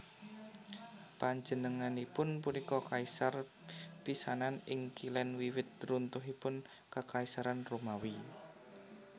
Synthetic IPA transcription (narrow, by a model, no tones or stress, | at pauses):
paɲd͡ʒənəŋanipʊnpunikɔkaisar | pisananɪŋkilɛnwiwɪt̪̚runt̪ʊɦipʊn | kəkaisaɾanromawi